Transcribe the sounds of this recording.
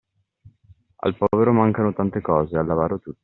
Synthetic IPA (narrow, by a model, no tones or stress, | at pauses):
a̰lpɔːveɾomaŋkanot̪ant̪ekɔːzealːavaːɾot̪ut̪ːi̥